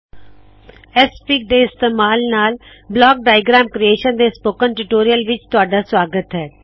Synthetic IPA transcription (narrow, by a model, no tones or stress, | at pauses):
ɛspiːk̚ɖ̪eːɪst̪əmaːlnaːl | blɔːk̚ɖaːɪɡɾaːmkɾieːʃənd̪espoːkənʈʊʈoːɾijəlʋɪt͡ʃt̪ʊaːɖasʋaːɡət̪ɦɛː